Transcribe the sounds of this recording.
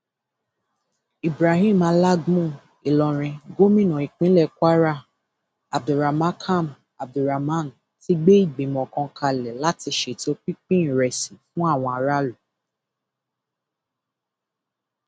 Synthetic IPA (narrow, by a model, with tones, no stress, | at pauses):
i˨bɾa˨ɦĩ˦˨mã˨˧˦la˦ɡmũ˦˨ | i˨lɔ˧ɾ̃ĩ˧ɡo˦mĩ˦˨nɔ̃˨i˨k͡pĩ˦lɛ˦˨kʷa˦ɾa˦ | a˨b̚du˨ɾa˨mã˦kʰa˦˨m | a˨b̚du˨ɾa˨mã˦˨n | ti˦ɡ͡be˦i˦˨ɡ͡bĩ˨m˨ɔ̃˨kɔ̃˧˦kʰa˧lɛ˨la˦ti˧ʃe˨to˨˦k͡pi˦k͡pĩ˦n̩˨ɾɛ˨sĩ˨fũ˦a˦˨w̃ɔ̃˧a˧ɾa˦lu˨